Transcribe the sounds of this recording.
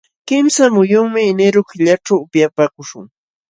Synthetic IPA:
kɪmsamʊjʊŋmɪnɪɾʊkɪʎaʈ͡ʂawʊpjapaːkʊʃʊŋ

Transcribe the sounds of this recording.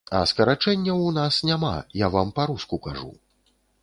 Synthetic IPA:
ɐ̰skɐɾat͡ʂɛnʲːɐwnasnʲama̰javampaɾuskukaʐṵ

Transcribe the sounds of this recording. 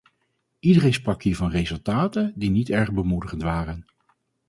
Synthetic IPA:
idərejnsprɑkɦiːɹvɑnrejzɵlˠtaːtəndinitɛɹχbəmudəχəntʋaːrən

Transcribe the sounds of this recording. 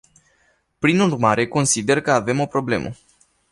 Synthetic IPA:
pɾinurmaɾe̞ko̞nsid̪e̞rkəave̞mo̞pɾo̞ble̞̰mʔə̰

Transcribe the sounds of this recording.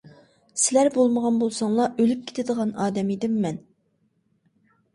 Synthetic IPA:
sɪlæɾbolˠməʁɑnbolˠsɑŋlˠɑʔølyp̚kʰʲe̥t̪ʰɪd̪əʁɑnɑːd̪ɛmed̪ɪmːɛn

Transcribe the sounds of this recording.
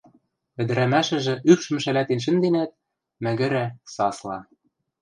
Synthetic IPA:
ɘ̆d̪ɘ̆ɾæmæʃɘ̆ʒɘ̆ʔypʃɘ̆mʃælæt̪enʃ̬ɘ̆nd̪enæt̪̚ | mæ̆ɣɘ̆ɾæsɑslɑ̰

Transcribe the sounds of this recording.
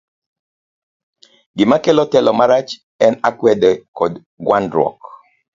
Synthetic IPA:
ɡɪmakelɔtɛlɔmaɾat͡ʃ | ɛnakwɛdɛkɔd | ɡwandɾɔ̰k

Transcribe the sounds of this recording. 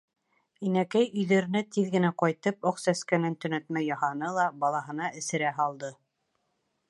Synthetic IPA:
inækæjɵ̆jðæɾɘ̆næt̪iðɡɘ̆næqɑjt̪ɤpoqsæskænænt̪ɵ̆næt̪mæjːɑhɑnɤlˠɑbɑlˠɑɦɤ̆nɑʔɘ̆sɘ̆ɾæɦɑlˠd̪ɤ

